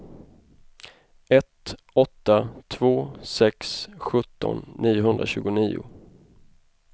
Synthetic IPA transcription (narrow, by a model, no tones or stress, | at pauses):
ɛt̪ | ɔt̪ːat̪ʰvoːsɛksɧɵt̪ːɔ̰nːiːʊɦɵnd̪ɾaɕʉ̟ːɡʊniːʊ̰